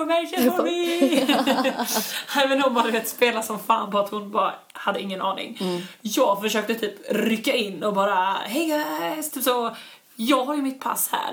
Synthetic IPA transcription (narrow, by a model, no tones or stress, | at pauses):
ɔmɛʃənɔmɪ | ɛːvənɔmbɑd̪ɪveːt̪speːlasɔmfa̰ːnpʰɔat̪hʊnbɑ̰ː | had̪ːəɪŋːənɑːnɪ̰ŋjɑːɡfœʂøːk̚t̪ət̪ʰyːpɾʏkːaɪnːɔbɑːɾaɦɛjɡast̪ʰyːpsɔ | jɑːɡɦaɾjɵmɪt̪̚pʰa̰shæ̰ːɾ